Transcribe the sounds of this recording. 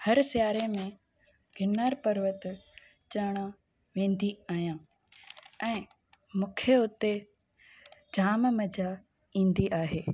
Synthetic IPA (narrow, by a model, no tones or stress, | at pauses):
hɐɾsɪjaːɾemẽ | ɡʱɪnaːɾpɐɾʋət̪ | t͡ɕɐːɽ̃a | ʋẽːnd̪iaːɦijãː | ɛ̃ː | mũːkʰeʊt̪e | d͡ʑaːmmɐd͡ʑa | ĩːnd̪iʔaːɦeː